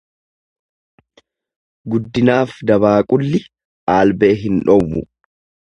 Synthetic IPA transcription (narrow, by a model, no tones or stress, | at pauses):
ɡʊd̪ːɪnaːfd̪ɐβaːkʼʊlːɪ | ʔaːlbe̞ːɦɪnᶑɔwːʊ̰